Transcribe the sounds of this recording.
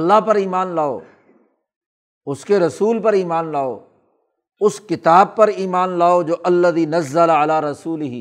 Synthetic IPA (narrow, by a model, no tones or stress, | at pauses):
ɐlːaɦpɐɾiːmaːnlaːo̰ː | ʊskeɾɐsuːlpɐɾiːmaːnlaːo̰ː | ʊskɪt̪aːb̚pɐɾiːmaːnlaːod͡ʒoːʔɐlːɐðiːnɐzːɐlaɐlaːɾɐsuːlɪɦi